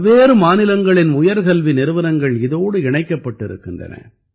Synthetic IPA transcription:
ʋeːɾɯmaːnɪlɐŋɡɐɭɪnʊjɐɾɣɐlʋinɪɾɯʋɐɾɐŋɡɐɭɪðoːɽɯɪɳɐɪkːɐpːɐʈːɪɾɯ̰kːɪndrɐ̰nɐ̰

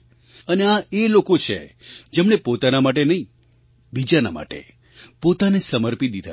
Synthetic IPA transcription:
əneaelokot͡ʃʰḛd͡ʒemɳepot̪anamaʈ̬enəɦĩ | bid͡ʒana̰ma̰ʈḛ | pot̪anesəməɾpid̪id̪ʱa

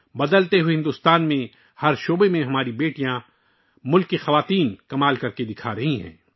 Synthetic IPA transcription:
bɐd̪əlt̪eɦueɦɪ̃nd̪uːst̪aːnmẽ | hɐɾʃoːbemẽɦɐmaːɾibeːʈijã | mʊlkːixɐʋaːt̪iːnkɐmaːlkɐɾked̪ɪkʰaɾɐɦĩɦɛ̰̃ː

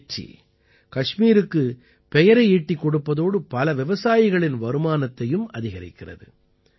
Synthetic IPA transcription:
t͡ʃːḭ | kɐʂmiːɾɯkːɯ | pɛjɐɾɐɪiːʈːɪkːɔɽɯpːɐðoːɽɯpɐlɐʋɪʋɐsaːjɪɣɐɭɪnʋɐɾɯmaːnɐt̪ːɐjɯmɐðɪɣɐɾɪ̰kːɪrɐ̰ðɯ

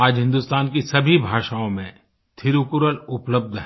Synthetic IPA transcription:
aːd͡ʒɦɪ̃nd̪ust̪aːnkisɐbʱibʱaːʃaõmẽ | t̪ʰɪɾukʊɾəlʊpləb̚d̪ʱɦ

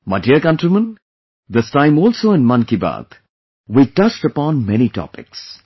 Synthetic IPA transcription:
maɪdiəkʌ̃nʈɾimə̃n | d̪ɪstãɪ̃mɔːlsoːɪ̃nmʌ̃nkiba̰t̪ | wiʈʌt͡ʃʈəpɔ̃ːnmɛñiʈɔ̰pɪ̰ks

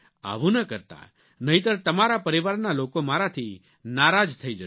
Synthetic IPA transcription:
a̰ʋũnəkəɾt̪a̰ | nəɦĩt̪əɾt̪əmaɾapəɾiʋaɾnalokomaɾat̪ʰi | naɾad͡ʒt̪ʰəid͡ʒə

